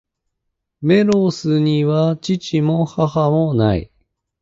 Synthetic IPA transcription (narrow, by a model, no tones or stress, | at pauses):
me̞ɾosɨɲ̟iβat͡ɕit͡ɕimo̞hahamo̞na̰ḭ